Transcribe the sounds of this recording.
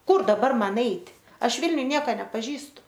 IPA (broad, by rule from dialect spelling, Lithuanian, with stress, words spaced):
ˈkʊr dɐˈbɐr ˈmɐn ˈɛɪtʲ ˈɐʃ ˈʋʲɪlʲnʲʊj ˈnʲiɛkoː nʲɛpɐˈʒʲiːstʊ